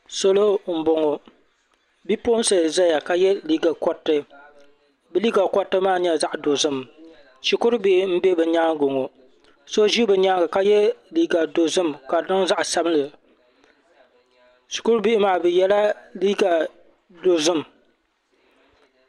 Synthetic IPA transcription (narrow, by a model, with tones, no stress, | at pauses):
so˦lo˦m̩˨bo˨ŋo˨ | bi˦po˦n˦sɨ˨za˦ja˨ka˦jɛ˦liː˦ɡa˨kɔ˦tːɨ˦ | bɨ˦liː˦ɡa˨kɔ˦tːɨ˦maː˦ɲɛ˦za˦ʔdo˨zɨ˦m | ʃi˨kʊ˦ɾbi˦ʔɪ˨˦m̩˦bɛ˦bɨ˨ɲaː˦ŋɡo˨ŋo˨ | so˦ʒi˦bɨ˨ɲaː˦ŋɡɨ˨ka˦jɛ˦liː˦ɡa˨do˨zɨ˦mka˨dɨ˦ŋza˦ʔsa˦bɨ˦lɨ˨ | ʃi˨kʊ˦ɾbi˦ʔɪ˦maː˨˦˨bɨ˨jɛ˦la˦liː˦ɡa˨ | do˨zɨ˦m˨